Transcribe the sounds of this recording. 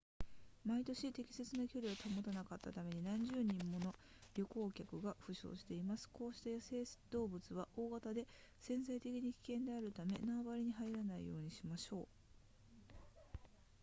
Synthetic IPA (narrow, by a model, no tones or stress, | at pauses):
mait̪o̞ɕit̪e̞kʲi̥se̞t͡sɨnakʲo̞ɾʲiɡat̪amot̪anakat̪ːat̪ame̞ɲ̟inãɲ̟d͡ʑɨːɲ̟ĩmːo̞no̞ | ɾʲo̞ko̞ːkʲakɯ̟ɡaɸɯ̟ɕo̞̰ːɕi̥t̪e̞imasɨ̥ko̞ːɕi̥t̪ajase̞ːd̪̥o̞ːbɯ̟t͡sɨβaʔo̞ːɡat̪ad̪e̞sẽ̞ñzait̪e̞kʲiɲ̟ikʲi̥kẽ̞nd̪e̞aɾɯ̟t̪ame̞̰naːbaɾʲiɲ̟iɦaiɾanaḭjo̞̰ːɲ̟iɕimaɕo̞ː